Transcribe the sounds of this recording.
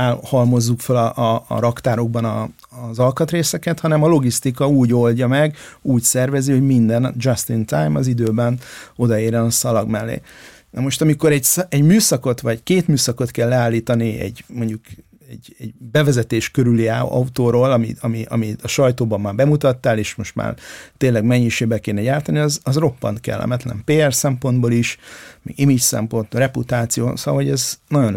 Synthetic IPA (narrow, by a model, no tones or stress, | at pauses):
ahɒlmo̞zːukfølɒʔɾɒkt̪aːɾo̞ɡ̚bɒnɒ | zɒlkɒt̪reːsɛkɛt̪hɒnɛmɒlo̞ɡist̪ikɒuːɟo̞lɟɒmɛɡuːcsɛrvɛziho̞ɟmind̪ɛnd͡ʒɒst̪int̪ajmɒzid̪øːbɛno̞d̪ɒeːrjɛnɒsɒlɒɡmɛlːḛː | nɛmo̞ʃt̪ɒmiko̞ɾɛɟsɛɟmyːsɒko̞t̪ʋɒɟkeːt̪myːsɒko̞t̪kɛlːɛaːlːiːt̪ɒniɛ̰ɟmo̞ɲɟuk | ɛɟɛɟbɛvɛzɛt̪eːʃkøɾyliaɒut̪oːɾoːlɒmiɒmiɒ̰miɒʃɒjt̪oːbɒmːaːbɛmut̪ɒt̪ːaːleːʃmo̞ʃt̪ma̰ːrt̪eːnlɛɡmɛɲːiʃeːbɛkeːnɛjaːɾt̪ɒniɒzɒzro̞pːɒ̰nt̪kɛ̰lːɛ̰mɛt̪lɛ̰mpeːɛrsɛmpo̞nd̪boliʃmɛ̰ɡimit͡ʃsɛ̰mpo̞nt̪rɛput̪aːt̪sijo̰ːnsoɒoɟɛznɒjo̞n